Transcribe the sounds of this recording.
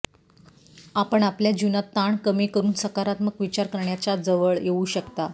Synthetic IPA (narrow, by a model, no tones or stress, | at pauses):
apəɳapljad͡ʑunat̪ːaɳkəmikəɾuːnsəkaɾat̪məɡʋit͡ɕaɾkəɾɳjat͡ɕad͡zəʋəɭjeuɕəkt̪a